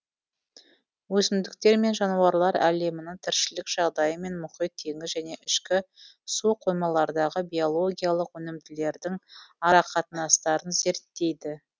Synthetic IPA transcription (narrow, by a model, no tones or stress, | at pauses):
wɵsɪmd̪ɪk̚t̪e̞ɾme̞nʒɑnuwɑɾlˠɑɾæ̰le̞mɪnɪŋt̪ʰɪɾʃɪlɪkʒ̥ɑʁd̪ɑjəme̞nmʊχəjt̪ʰːe̞ŋɪzʒæne̞ʔɪʃkʲɪ | suqʰojmɑlˠɑɾd̪ɑʁəbijo̞lˠo̞ɡʲijalˠəqwɵnɪmd̪ɪle̞ɾd̪ɪŋɑɾɑqʰɑt̪ənɑst̪ɑɾənze̞ɾt̪ːe̞jd̪ɪ